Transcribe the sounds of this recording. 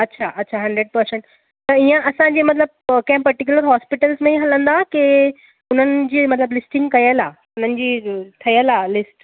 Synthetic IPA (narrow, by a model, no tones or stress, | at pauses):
ɐtːɕʰaʔɐtːɕʰaɦɐ̃ɳɖɾeɖ̚pɐɾsẽɳʈ | t̪ɐiə̃ʔɐsãɲd͡ʑeːmɐt̪ləb̚kɐ̃ɦɪ̃pɐɾʈik̬juləɾɦaːspɪʈəlzmẽɦɐlə̃nd̪ake | ʊn̤ənɪ̆d͡ʑiːmɐt̪ləblɪsʈɪ̃ŋɡkɐjəlaː | ʊn̤ənɪ̆d͡ʑiːt̪ʰɐijəlaːlɪsʈ